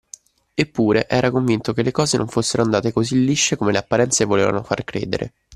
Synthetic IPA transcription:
epːuːɾeʔɛːɾakoɱvint̪okelːekɔːzenʔo̰ɱfosːeɾoand̪aːt̪ekozilːiʃːekomeleapːaɾɛnt̪sevoleːva̰nofa̰rkɾḛːd̪ḛɾʔḛ

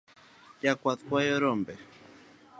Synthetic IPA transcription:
jakwat̪kwajɔɾɔmbɛ

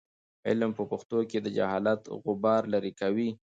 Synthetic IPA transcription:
ɪlmpəpʊxt̪oked̪əd͡ʒa̰hɑlat̪ɣʊbɑɾlaɾikawi

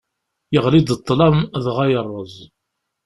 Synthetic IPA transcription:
jəʁlid̪ət̪ˤːlɑmðʁajərˤːəzˤ

